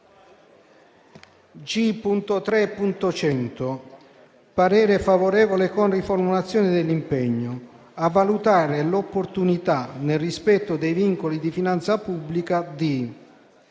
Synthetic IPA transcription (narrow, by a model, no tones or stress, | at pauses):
d͡ʒipunt̪ot̪ɾɛpːunt̪ot͡ʃɛnt̪o | paɾɛːɾefavoɾɛːvolekonriformulat̪sːjɔːnɪd̪ɪlːimpɛɲːo | avːalut̪aːɾelopːort̪unit̪anelrispɛt̪ːʊd̪ejviŋkolid̪ifinant̪sapubːlikad̪i